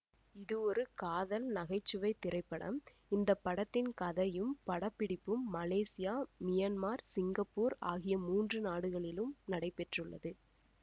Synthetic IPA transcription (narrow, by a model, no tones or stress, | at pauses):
ɪðɯɔɾɯkaːðɐlnɐɣɐɪt͡ʃːɯʋɐɪt̪ːɪrʔɐɪpːɐɽɐ̰m | ɪnd̪ɐpːɐɽɐt̪ːɪnkɐðɐjɯmpɐɽɐpːɪɽɪpːɯmːɐleːsɪjaːmɪjɐnmaːɾsɪŋɡɐpːuːɾa̰ːɣɪjɐmuːndrɯnaːɽɯɣɐɭɪlɯmnɐɽɐɪpɛʈrɯɭːɐ̰ðɯ